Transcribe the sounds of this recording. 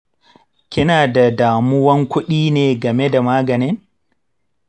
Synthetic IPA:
kʲɪ˦naː˨da˨daː˨mʊ˦wɐ˦ŋkʷʊ˦ɗiː˦neː˨ɡɐ˨me˦da˨maː˦ɡɐ˨nɪ˦n

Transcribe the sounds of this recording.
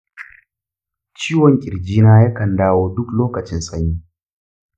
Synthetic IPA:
t͡ʃiː˦wɔ˨ŋkʲʼɪ˨ɾd͡ʒiː˦naː˦ja˦kɐ˨ndaː˦woː˦dʊ˦kloː˦kɐ˨t͡ʃɪ˦nsʼɐ˦ɲjiː˦

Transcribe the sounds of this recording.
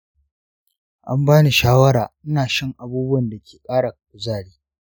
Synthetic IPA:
ʔa˦mbaː˦ni˨ʃaː˦wɐ˦ɽaː˨ʔɪ˦naː˨ʃɪ˦ŋʔa˨buː˦bʊ˦wɐ˨nda˨kʲeː˨kʼaː˦ɽa˨kkʷʊ˨zaː˦˨ɽiː˦

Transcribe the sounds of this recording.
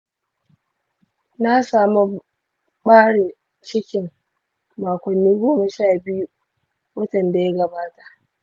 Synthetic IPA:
na˦saː˨mu˦ | ɓaː˦ɽe˨ | t͡ʃɪ˦kʲɪ˨ŋː | aː˨kʷɐ˨nːiː˦ɡoː˦mɐ˨ʃaː˦˨bɪ˦ju˦ | wɐ˦tɐ˨nda˨ja˦ɡɐ˨baː˦ta˨ʔ

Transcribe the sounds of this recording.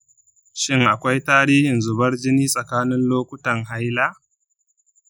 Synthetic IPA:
ʃɪ˦ŋʔa˨kʷa˦jtaː˦ɽiː˦hɪ˨nzʊ˨bɐ˦rd͡ʒɪ˦niː˦sʼɐ˨kaː˦nɪ˦nloː˦kʷʊ˦tɐ˨ŋɦa˦jlaː˦ʔ

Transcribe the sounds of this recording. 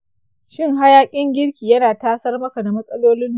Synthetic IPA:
ʃɪ˦ŋɦa˦jaː˦kʲʼɪ˦ŋɡʲɪ˦ɽkʲiː˨jɐ˦naː˨taː˦sɐ˦rmɐ˦ka˨da˨mɐ˦sʼɐ˦loː˦lɪ˦n˨

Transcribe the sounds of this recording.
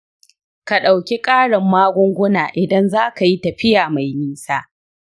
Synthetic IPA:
ka˨ɗa˨wkʲi˦kʼaː˦ɽɪ˨mːaː˦ɡʷʊ˦ŋɡʷʊ˦naː˨ʔɪ˨dɐ˦nzaː˦ka˨ji˦tɐ˨ɸɪ˦jaː˨ma˨jmiː˦saː˦

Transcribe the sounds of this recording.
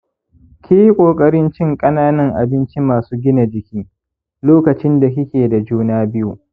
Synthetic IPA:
kʲiː˦ji˦kʷʼoː˨kʼɐ˦ɾɪ˦nt͡ʃɪ˦ŋkʼɐ˦naː˦nɐ˦ŋʔa̰˨bɪ˦nt͡ʃi˦maː˨suː˦ɡʲɪ˦na˨d͡ʒɪ˨kʲiː˦ | loː˦kɐ˨t͡ʃɪ˦nda˨k̬ʲɪ˦kʲeː˨da˨d͡ʒuː˦naː˦bɪ˦ju˨

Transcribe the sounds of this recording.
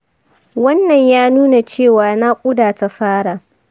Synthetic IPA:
wɐ˦nːɐ˨ɲjaː˦nuː˦na˨t͡ʃeː˦˨waː˨na˦kʷʼʊ˦daː˨ta˦ɸaː˦ɽa˨

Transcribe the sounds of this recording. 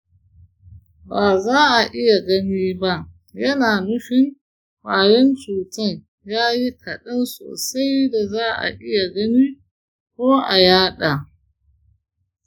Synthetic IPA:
baː˨zaː˦ʔa˨ʔɪ˦ja˨ɡɐ˦niː˦ba˦ʔ | jɐ˦naː˨nʊ˦ɸɪ˦n | ɸaː˨jɪ˦nt͡ʃuː˨tɐ˦n | jaː˦ji˦kʰɐ˨ɗɐ˦nso̰ː˨sa˦jda˨zaː˦ʔa̰˨ʔɪ˦ja˨ɡɐ˦niː˦ | kʷoː˦ʔa˨jaː˦ɗa˨

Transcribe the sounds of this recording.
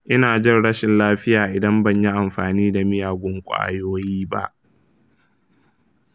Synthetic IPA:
ʔɪ˦naː˨d͡ʒɪ˦˨nɽɐ˦ʃɪ˨nlaː˦ɸɪ˦jaː˨ʔɪ˨dɐ˦mbɐ˦˨ɲji˦ʔa˨mɸaː˨niː˦da˨mɪ˦jaː˨ɡʷʊ˦ŋkʷʼa̰ː˦joː˦jiː˦ba̰˦ʔ

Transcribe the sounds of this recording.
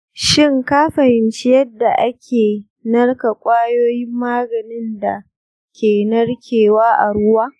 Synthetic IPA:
ʃɪ˦ŋkaː˦ɸɐ˨hɪ˨nt͡ʃɪ˦jɐ˦dːa˨ʔa˦kʲʰeː˨ | nɐ˦rka˨kʷʼaː˦joː˦jɪ˦mːaː˦ɡɐ˨nɪ˦nda̰˨ | kʲeː˨nɐ˦rkʲʰeː˨waː˦ʔa̰˨ɽʊ˦waː˦

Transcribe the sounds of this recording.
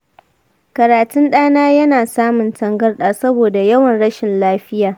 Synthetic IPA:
kɐ˨ɾaː˨tʊ˦nɗaː˦naː˦jɐ˦naː˨saː˦mʊ˨ntɐ˦ŋɡɐ˦rɗaː˨sɐ˦boː˨da˨jɐ˦wɐ˨nɽɐ˦ʃɪ˨nlaː˦ɸɪ˦jaː˨

